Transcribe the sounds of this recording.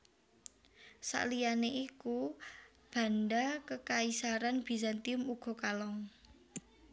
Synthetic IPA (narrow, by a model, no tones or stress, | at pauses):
sa̰ʔlijaneʔiku | b̥a̤nɖakəkaisaɾanb̥i̤sant̪imuɡ̥o̤kalɔŋ